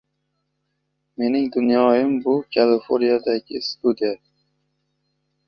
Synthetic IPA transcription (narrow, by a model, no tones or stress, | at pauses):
me̞nɪŋd̪ʊnjɒjɪmbʊkʲʰalɪfoɾnijad̪aɡʲɪst̪ud̪ija